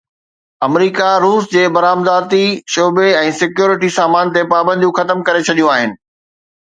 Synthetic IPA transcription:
ɐmɾiːkaɾuːsd͡ʑeːbɐɾaːmd̪aːt̪iʃoːbeɛ̃ːsɪkjoːɾɪʈisaːmaːnt̪̬epaːbə̃nd̪ʱjũxɐt̪əmkɐɾet͡ɕʰɐɗijũaːɦɪnɪ̆

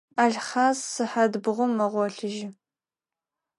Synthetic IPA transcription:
aːɮχaːzsɨħadbʁʷʊmːɐʁʷɔɬɨʒɪ

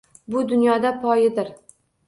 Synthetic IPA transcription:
bʊd̪ʊnjɒd̪apʰɒjɪd̪ɪɾ

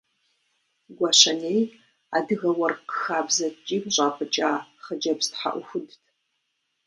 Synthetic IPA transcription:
ɡʷɐɕɐnej | a̰ːdɨɣɐwɐrqxaːbzɐt͡ʃʼiːmɕʼaːpʼɨt͡ʃʼaːχəd͡ʒɐbstħa̰ʔʷʊxʷʊdtʰ

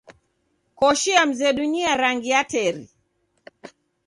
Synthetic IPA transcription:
kɔʃiam̩zɛɗuniaɾaŋɡiatɛɾḭ

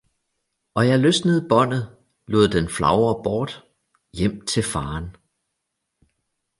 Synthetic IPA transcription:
ʔɒ̽jɑ̈ɪløsnəð̩ˠb̥ɒ̽n̰ð̩ˠ | lo̝ːð̰ˠd̥enflɑ̈ʊɐb̥ɒːd̥ | jem̰t͡sʰe̝lfɑ̈ːn

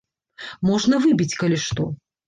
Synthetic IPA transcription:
mɔʐnɐvɨbʲit͡sʲkɐlʲiʂt̪ɔ

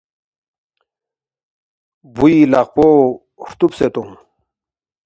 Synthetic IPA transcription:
builaqpo | ʂt̪upset̪um

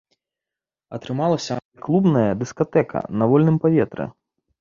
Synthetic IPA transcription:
ɐt̪ɾɨmalˠɐsʲɐnklˠubnɐjɐd̪ɨskat̪ɛkʰɐ̰nɐvɔlʲnɨmpavʲɛt̪ɾɨ̰

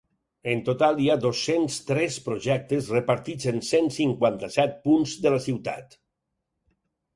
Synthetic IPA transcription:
ənt̪ot̪alˠiaðosːenst̪ɾɛspɾoʒɛk̚t̪əzrəpəɾt̪id͡zensensiŋkwant̪əsɛt̪̚punzðələsiwt̪a̰t̪

